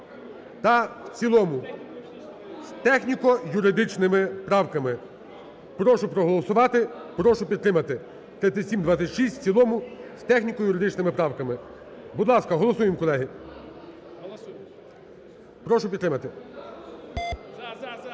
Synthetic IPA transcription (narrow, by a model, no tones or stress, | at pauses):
t̪ɐwt͡sʲilˠɔmʊ | st̪ɛxnʲikɔjʊɾɪd̪ɪt͡ʃnɪmɪpɾɑwkɐmɪ | pɾɔʃʊpɾɔɦɔlˠɔsʊʋɑt̪ɪpɾɔʃʊpʲid̪t̪ɾɪmɐt̪ɪ | t̪ɾɪt̪sʲɪtʲsʲimd̪ʋɑt͡sʲɐtʲʃisʲtʲt͡sʲilˠɔmʊst̪ɛxnʲikɔjʊɾɪd̪ɪt͡ʃnɪmɪpɾɑwkɐmɪ | bʊd̪lˠɑskɐɦɔlˠɔsujɪmkɔlˠɛɦi | pɾɔʃʊpʲid̪t̪ɾɪmɐt̪ɪ